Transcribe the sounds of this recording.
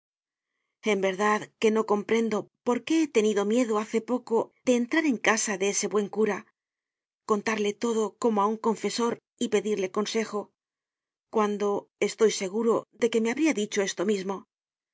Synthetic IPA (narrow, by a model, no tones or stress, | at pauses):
e̞mbe̞ɾðaðke̞no̞ko̞mpɾe̞nd̪o̞po̞ɾke̞et̪e̞niðo̞mje̞ðoaθe̞po̞ko̞ð̥e̞ːnt̪ɾaɾe̞ŋkasaðe̞ese̞βwe̞ŋkuɾa | kont̪aɾle̞t̪o̞ðo̞ko̞moauŋko̞ɱfe̞so̞ɾ | ipe̞ðiɾle̞ko̞nse̞xo̞ | kwand̪o̞e̞st̪o̞jse̞ɣ̞uɾo̞ðe̞ke̞me̞aβɾiaðit͡ʃoe̞st̪o̞mizmo̞